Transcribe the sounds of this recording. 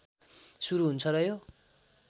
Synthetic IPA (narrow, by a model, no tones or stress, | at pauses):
suɾuɦunt͡sʰʌɾʌɦjo